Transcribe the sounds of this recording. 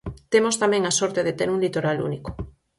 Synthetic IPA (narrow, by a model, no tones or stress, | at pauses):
t̪emost̪amɛ̃ŋasɔɾt̪eðet̪eɾuŋlit̪oɾalṵniko̥